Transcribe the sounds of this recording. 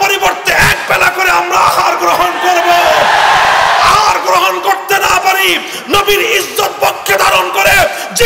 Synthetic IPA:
oɾiboɾt̪eɛk̚bɛlakoɾeamɾaaɦaɾɡɾoɦonkoɾbo | aaɾɡɾoɦonkoɾt̪enapaɾi | nobiɾid͡ʒːot̪̚pokʰːed̪ʱaɾonkoɾe | d͡ʑi

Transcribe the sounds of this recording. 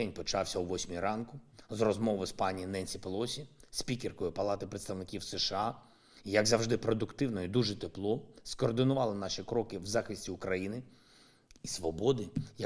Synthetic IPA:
ɛnʲpɔt͡ʃɑwsʲɐuʋɔsʲmʲiɾɑnkʊzrɔzmɔʋɔspɑnʲijinɛnʲsʲipɔlˠɔsʲispʲikerkɔjʊpɐlˠɑt̪ɪpɾet̪st̪ɐʋwnɪkʲiwseʃeɑ | ijɐɡzɐwʒd̪ɪpɾɔd̪ʊkt̪ɪwnɔjid̪uʒɛt̪eplˠɔskɔːrd̪ɪnʊʋɑlˠɪnɑʃikɾɔkɪwzɑxɪsʲtʲiʊkɾɐjinɪ | isʋɔbɔd̪ɪjɐ

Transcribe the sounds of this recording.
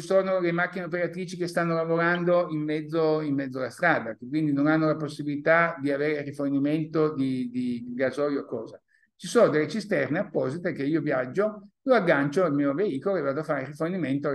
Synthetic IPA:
t͡ʃisoːnolemak̟ːineopeɾat̪ɾiːt͡ʃikest̪anːolavoɾand̪oimːɛd̪zːoimːɛd̪zːoalast̪ɾaːd̪akekːwind̪inonanːolaposːibilit̪ad̪iaveːɾeriforniment̪od̪id̪iɡazɔjookːɔːza | t͡ʃisoːnod̪elːet͡ʃist̪ɛrneapːɔzit̪ekeiːovjad͡ʒːoloaɡːant͡ʃoilmiːoveiːkoloevːaːd̪oafaːɾeriforniment̪o

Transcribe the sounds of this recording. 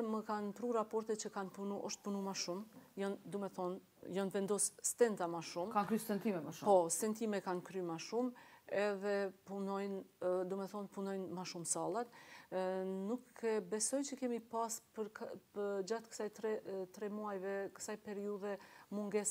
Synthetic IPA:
məkanpɾuɾapɔɾt̪ɛt̪t͡ʃəkanpunuʔɔʃt̪̚punumaʃumjɔnd̪umɛθɔn | jɔnvɛnd̪ɔsst̪ɛnt̪amaʃumkakɾysɛnt̪imɛmaʃpɔst̪ɛnt̪imɛkankɾymaʃumɛðɛpunɔjnd̪umɛθɔnpunɔjnmaʃumsalˠat̪ | nukɛbɛsɔjt͡ʃəkɛmipaspəɾkəd͡ʒat̪kə̥sajt̪ɾɛt̪ɾɛmuajvɛkə̥sajpɛɾiuðɛmuŋɡɛs

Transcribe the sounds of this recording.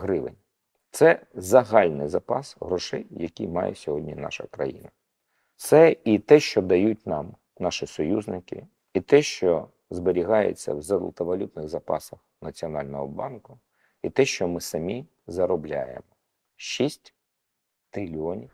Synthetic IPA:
ɦɾɪʋɪ̰nʲ | t̪sɛzɐɦɑlʲnɪ̰jzɐpɑsɦɾɔʃɛjjɐkʲijmɑ̰jḛsʲɔɦɔdʲnʲinɑ̰ʃɐ̰kɾɐ̰jḭnɐ | t̪sɛit̪ɛʃt͡ʃɔd̪ɐjutʲnɑm | nɑʃisɔjuznɪkɪ̰ | it̪ɛʃt͡ʃɔ | zbeɾʲiɦɑjḛt͡sʲːɐ̰wzɐd̪lˠt̪ɐʋɐlʲut̪nɪɣzɐpɑ̰sɐxnɐt͡sʲiɔnɑlʲnɔɦɔbɑnkʊ | it̪ɛʃt͡ʃɔmɪsɐmʲi | zɐɾɔblʲa̰jḛmɔ | ʃisʲtʲ | t̪ɾɪlʲiɔnʲiw

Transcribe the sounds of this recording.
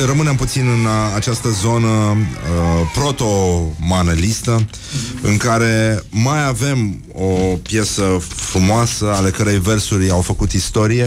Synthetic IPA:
rəmɨnemput̪sinɨnat͡ʃast̪əzo̞nə | pɾo̞t̪o̞manelist̪ə | ɨŋkaɾe̞majave̞m | o̞pje̞səfɾumoasəale̞kəɾejversurʲawfəkut̪ist̪o̞ɾije̞

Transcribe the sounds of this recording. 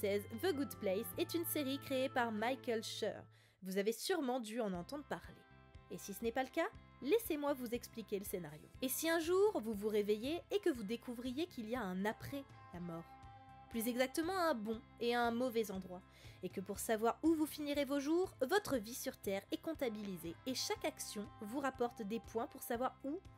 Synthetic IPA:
sɛzvəɡud̪plɛjsɛt̪ynseʁikχeepaʁmajkɛlʃœ̰ʁ | vuzavesyʁmɑ̃d̪yɑ̃nɑ̃t̪ɑ̃d̪ʁəpaʁlḛː | sisənɛpaləka | lɛsemwavuzɛksplikʲeləsenaʁjo̰esiɛ̃ʒuʁvuvuʁevejeːkəvud̪ekʰuvʁijekʲʰiliaɛ̃napχɛ | lamɔːʁ | plyzɛɡzak̚t̪əmɑ̃ɛ̃bɔ̃ | eaɛ̃mɔvɛzɑ̃d̪ʁwa | ekəpuʁsavwaʁuvufiniʁevoʒuːʁvɔt̪χəvisyʁt̪ɛʁɛkɔ̃t̪abilizeːʃakaksjɔ̃vuʁapɔʁt̪d̪epwɛ̃puʁsavwaʁu

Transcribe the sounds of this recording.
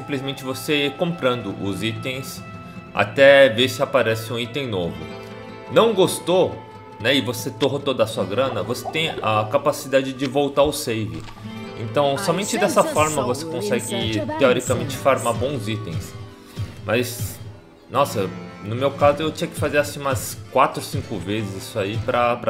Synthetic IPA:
sĩmplizmẽnt͡ʃɪvosekõpɾɐ̃nd̪ʊʔʊzit̪ẽj̃s | a̰t̪ɛveɾsɪapaɾɛsɪũit̪ẽj̃novʊ̰ | nɐ̃w̃ɡost̪o | nɛɪvoset̪oɦɐt̪od̪ɐsuɐɡɾɐ̃nɐvose̥t̪ẽj̃ɐkapasid̪ad͡ʒɪd͡ʒɪvowt̪aɾʊsejvɪ̰ | ḛ̃nt̪ɐ̃w̃sɔmẽnt͡ʃɪd̪ɛsɐfɔɾmɐvosekõsɛɡɪt̪eɔɾikamẽnt͡ʃɪ̥faɾmaɾbõw̃zit̪ẽj̃s | mɐs | nɔsɐnʊmewkazʊewt͡ʃĩɲɐkɪ̥fazeɾasĩmɐskwat̪ɾʊsĩkʊvezɪzisʊaipɾɐpɾɐ

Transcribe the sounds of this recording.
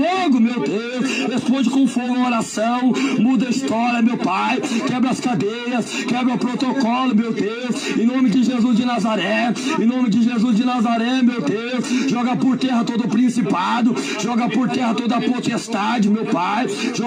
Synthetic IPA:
oɡʊmewd̪ewshespõd͡ʒɪkõfoɡɐoɾasɐ̃w̃mud̪ɐist̪ɔɾiɐmewpajkɛbɾɪɐskad̪ejɾɐskɛbɾʊpɾot̪okɔlʊmewd̪ewsẽnõmɪd͡ʒɪʒezuzd͡ʒɪnazaɾɛẽnõmɪd͡ʒɪʒezuzd͡ʒɪnazaɾɛmewd̪ewsʒɔɡɐpoɾt̪ɛɦɐt̪od̪ʊːpɾĩsipad̪ʊ | ʒɔɡɐpoɾt̪ɛhɐt̪od̪ɐɐpot̪est̪ad͡ʒɪmewpajʒɔ

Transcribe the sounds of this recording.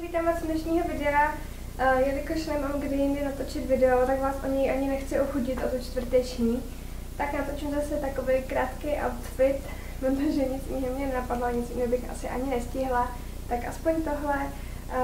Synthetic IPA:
vit̪aːmat̪t͡sdnɛʃɲiːɦo̞vɪdɛɾa | jɛlɪkoʃlɛmomɡdɪjɪndɪnat̪ot͡ʃɪt̪vɪdɛot̪akvaːsʔo̞ɲɛjʔaɲɪnɛxt͡sɪʔoxuɟɪt̪ʔot̪ot͡ʃt̪vr̩t̪ɛt͡ʃɲiː | t̪aknat̪o̞t͡ʃuzasɛt̪ako̞vejkɾaːt̪kejʔa̰wt̪fɪt̪ | pɾot̪oʒɛɲɪt͡sjɪɦɛmɲɛnɛnapadlaɲɪt͡sjinɛobɪxʔa̰sɪʔa̰ɲɪnɛscɪɦla | t̪akʔaspoɲt̪o̞ɦlɛ

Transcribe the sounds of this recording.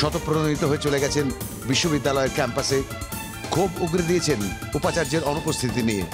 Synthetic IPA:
ʃɔt̪opɾoonit̪oɦoet͡ɕoleɡɛt͡ɕʰen | biʃːobid̪ːalɔeɾkɛmpase | kʰubuɡɾed̪iet͡ɕʰenupat͡ɕaɾd͡ʑeɾɔnupost̪ʰit̪iniḛ

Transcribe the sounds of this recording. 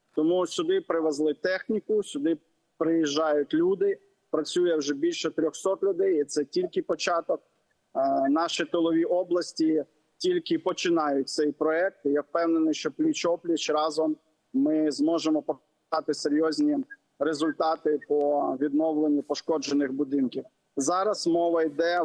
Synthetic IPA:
t̪ɔmusʲʊd̪ɪpɾɪʋezlˠɪt̪ɛxnʲikʊsʲʊd̪ɪ | pɾɪjiʒːɑjʊtʲlʲud̪ɪ | pɾɐt͡sʲujɛwʒɛbʲilʲʃɛt̪ɾʲɔxsɔt̪lʲʊd̪ɛjit̪sɛtʲilʲkɪpɔt͡ʃɑt̪ɔk̚ | nɑʃit̪ɔlˠɔʋʲiʔɔblˠɐsʲtʲi | tʲilʲkɪpɔt͡ʃɪnɑjʊt̚ʲt̪sɛjpɾɔɛk̚t̪jɛwpɛwnenɪjʃt͡ʃɔplʲit͡ʃɔplʲit͡ʃɾɑzɔmː | ɪzmɔʒemɔpɔp̪ | ɑt̪ɪseɾʲjɔzʲnʲi | ɾezʊlʲt̪ɑt̪ɪpɔʋʲid̪nɔwlˠenʲːipɔʃkɔd͡ʒenɪxbʊd̪ɪnkʲiw | zɑɾɐsmɔʋɐid̪ɛ

